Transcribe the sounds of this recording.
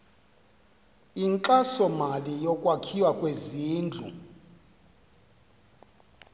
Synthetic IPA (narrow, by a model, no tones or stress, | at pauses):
iŋǃasɔmalijɔkʼwakʰiwakʼweziːnd͡ɮʱṵ